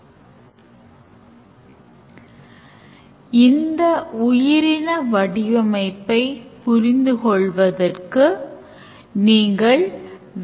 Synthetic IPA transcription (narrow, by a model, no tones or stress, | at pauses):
ɪnd̪ɐʊjɪɾɪnɐʋɐɽɪjɐmɐɪpːɐɪpʊɾɪnd̪ɯkɔɭʋɐðɐrkɯ | niːŋɡɐɭ | ʋ